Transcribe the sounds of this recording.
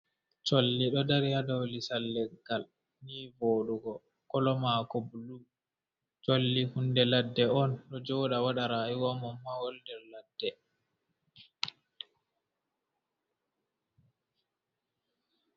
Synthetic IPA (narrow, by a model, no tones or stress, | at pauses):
t͡ʃolːiɗɔdaɾihadawlisalːɛɡal | niːvoːɗuɡɔ | kɔlɔmakɔbulu | t͡ʃolːihundɛladːɛɔnɗɔd͡ʒɔwɗawaɗaɾaiɡɔmɔmːawɔldɛɾladːɛ